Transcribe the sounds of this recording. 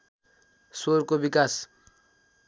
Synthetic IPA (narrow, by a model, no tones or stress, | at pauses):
soɾkobikas